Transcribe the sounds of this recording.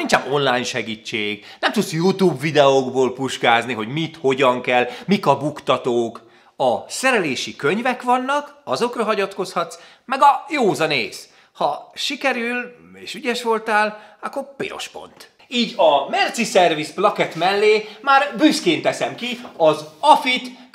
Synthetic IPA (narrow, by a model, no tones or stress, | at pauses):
ninɲt͡ʃɛmo̞nlaːjɲʃɛɡit͡ʃːeːɡnɛmt̪ut̪sjut̪uːbvid̪ɛoɡboːlpuʃkaːzniɦo̞ɟmit̪ho̞ɟɒŋkɛlmikɒbukt̪ɒt̪oːk | ɒsɛɾɛleːʃikøɲvɛkʋɒnːɒkɒzo̞krɒɦɒɟɒt̪koshɒt̪s | mɛɡɒjoːzɒnḛːs | hɒʃikɛɾyleːʃyɟɛʃʋo̞lt̪aːlɒkːo̞rpḛːɾo̞̰ʃpo̞̰nt̪ | iːɟɒmɛrt̪sisɛrvisplɒkɛt̪mɛlːeːmaːrbyskeːnt̪ɛsɛmkiɒzɒfit̪